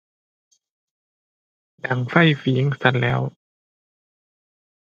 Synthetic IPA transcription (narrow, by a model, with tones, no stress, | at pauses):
da˨˩˦ŋfa˥˩jfiː˨˩˦ŋsa˧˩n̚lɛː˦˥w